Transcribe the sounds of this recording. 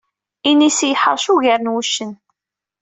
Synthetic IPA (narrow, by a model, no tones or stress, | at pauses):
inisjəħə̰ɾˤʃuʝəɾənwuʃːən